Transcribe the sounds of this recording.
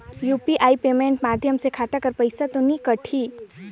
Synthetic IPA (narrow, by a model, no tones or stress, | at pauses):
juːpiʔaːipeːmẽːɳʈmaːd̪ʱjəmsekʰaːt̪akəɾpəɪsat̪onikəʈʰi